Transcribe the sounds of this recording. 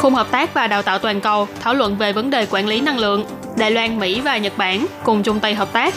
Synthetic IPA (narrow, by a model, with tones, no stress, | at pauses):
xu˧həː˨˩p̚t̪aː˦˥k̚vaː˨˩ɗaː˨˩t̪aː˧˨wt̪waː˨˩nkə˨˩wt̪ʰaː˧˩wlwə̰˧˨nve˨˩və˨˦nɗe˨˩kwaː˧˩nli˨˦na˧ŋlɨ̰˧˨əŋ | ɗa̰ː˧˨jlwaː˧nmḭ˧˥vaː˨˩ɲə˨˩t̚ɓaː˧˩nkʊ˨˩ŋ͡mt͡ɕʊ˧ŋ͡mt̪ə˧jɦəː˨˩p̚t̪aː˦˥k̚